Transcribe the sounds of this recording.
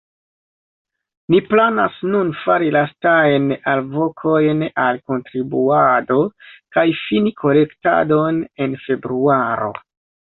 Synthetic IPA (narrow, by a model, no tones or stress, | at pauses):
niplanasnunfaɾilastajnalvo̞kʰo̞jnalko̞ntɾibuado̞kajfinikʰo̞le̞kta̰done̞nfe̞bɾuaɾo̞̰